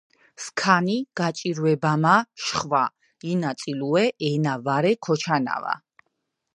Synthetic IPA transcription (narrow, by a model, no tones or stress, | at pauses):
skʰaniɡ̥at͡ʃʼiɾwɛbamaʃχva | inat̪sʼiluɛʔɛnavaɾɛkʰɔt͡ʃʰana̰va̰